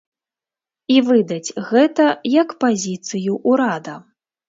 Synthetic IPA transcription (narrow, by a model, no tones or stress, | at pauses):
ivɨd̪ɐd͡zʲɣɛt̪ɐjɐkpazʲit̪sɨjuʔuɾad̪ɐ